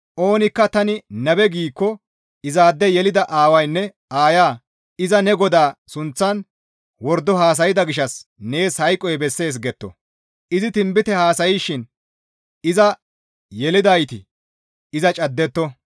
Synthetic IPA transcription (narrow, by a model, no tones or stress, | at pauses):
ʔo̞ːnɪkːɐt̪ɐnɪnɐbɛɡiːkːɔ | ɪzaːd̪ːɛjɛlɪd̪ɐʔaːwɐjnːɛ | aːjaː | ɪzɐnɛɡɔd̪aːsʊnt͡sːɐn | wɔɾd̪ːɔɦaːs̬ɐjɪd̪ɐɡɪʃɐsne̞ːshɐjkʼːɔjbɛsːe̞ːs̬ɡɛt̪ːɔ̰ | ʔɪzɪt̪ɪmbɪt̪ɛhaːsɐjɪʃːɪn | ɪzɐ | jɛlɪd̪ɐjt̪ɪ | ɪzɐt͡ʃʼɐd̪ːɛt̪ːɔ